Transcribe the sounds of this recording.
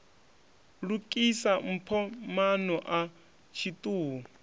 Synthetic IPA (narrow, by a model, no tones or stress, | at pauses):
lukʼisam̩pʰɔmanɔʔa | t͡ʃʰitʼuːɔ